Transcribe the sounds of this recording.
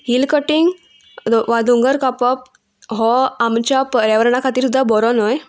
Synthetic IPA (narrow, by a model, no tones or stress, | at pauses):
ɦilkəʈiŋɡ | ʋad̪uŋɡəɾkapɔp̚ | ɦɔamt͡ɕjapəɾjaʋəɾɳakʰat̪iːɾsud̪ʱːabɔɾɔnɔj